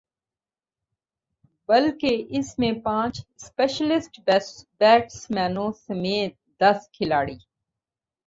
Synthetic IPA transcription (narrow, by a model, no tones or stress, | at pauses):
bɐlkeʔɪsmẽpãːt͡ʃspeːʃəlɪsʈbɛbɛːʈsmɛːnõsɐmeːt̪̚d̪ɐskʰɪlaːɽiː